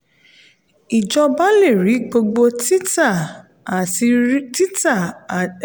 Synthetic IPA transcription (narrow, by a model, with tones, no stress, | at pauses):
i˨d͡ʒɔ˧ba˦le˦˨ɾi˨˦ɡ͡bo˧ɡ͡bo˧ti˦ta˦˨ | a˨i˧˦ti˦ta˦˨